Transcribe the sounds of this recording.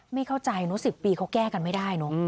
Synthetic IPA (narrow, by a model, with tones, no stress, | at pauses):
ma˥˩jkʰa˥˩wt͡ɕa˧jnɔ˦˥si˨˩pːiː˧kʰa˦˥wkɛː˥˩ka˧nma˥˩jda˥˩jnɔ˦˥